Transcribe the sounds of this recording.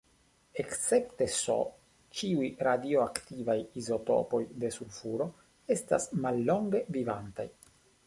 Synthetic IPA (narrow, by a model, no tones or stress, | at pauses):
e̞ktt͡se̞pte̞so̰ | t͡ʃiujɾadio̞aktivajizo̞to̞̰po̞jde̞sulfuɾo̞ | e̞sta̰smalːo̞ŋɡe̞vivanta̰j